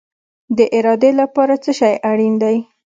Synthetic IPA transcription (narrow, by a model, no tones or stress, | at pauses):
d̪əʔɪɾɑd̪elapɑɾat͡səʃɑjʔaɽind̪aj